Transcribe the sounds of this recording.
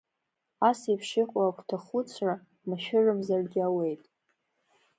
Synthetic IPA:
asipʰʂɪqʷʼakʷʰʼtʰaχʊt͡sʷʰra | maʃᶣɪrɨmzarɡʲɪawe̞jtʼ

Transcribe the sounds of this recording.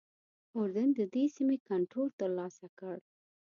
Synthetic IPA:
ʊɾd̪ənd̪əd̪esimekaɳʈɾolt̪əɾlɑsakəɽ

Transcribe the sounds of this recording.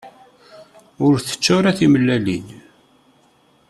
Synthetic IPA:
ʊɾθə̥t͡ʃːʊɾaθiməlːælin

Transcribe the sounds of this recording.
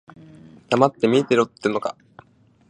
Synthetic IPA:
d̪̥amat̪ːe̞mʲiːt̪e̞ɾɯt̪ːeɯnoka̰

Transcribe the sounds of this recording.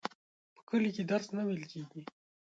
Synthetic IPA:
pə̥kəliked̪aɾsnawelkʲeɡi

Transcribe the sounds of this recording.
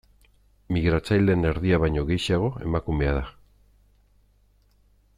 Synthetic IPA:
miɣɾat͡sajle̞ne̞ɾðiaβajɲo̞ɣe̞jsiaɣ̞o̞e̞̰makume̞að̞a

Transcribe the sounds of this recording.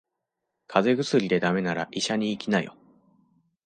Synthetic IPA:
kʰaze̞ɡɯ̟sɨɾʲid̪e̞d̪ame̞naɾa̰ʔiɕaɲ̟iːkʲinajo̰

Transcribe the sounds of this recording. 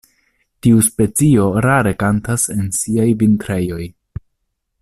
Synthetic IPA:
tiuspe̞t͡sio̞ɾaɾe̞kantase̞nsiajvintɾe̞jo̞j

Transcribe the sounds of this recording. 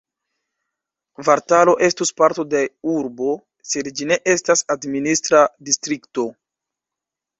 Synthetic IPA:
vaɾtalo̞ʔe̞stuspaɾto̞deuɾbo̞ | se̞dd͡ʒine̞ʔe̞stasadministɾadistɾikto̞

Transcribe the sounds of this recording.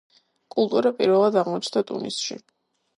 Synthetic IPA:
kʼulˠt̪ʼuɾapʼiɾvɛlˠad̪aʁmɔt͡ʃʰnd̪at̪ʼṵnḭsʃḭ

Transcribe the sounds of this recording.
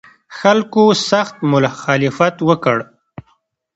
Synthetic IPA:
xalkosaxt̪mʊlaxɑlɪfat̪wəkəɽ

